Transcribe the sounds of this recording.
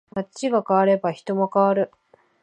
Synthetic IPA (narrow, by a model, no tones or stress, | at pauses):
mat͡ɕːiɡakaβaɾe̞baçi̥t̪o̞mokaβaɾɯ̟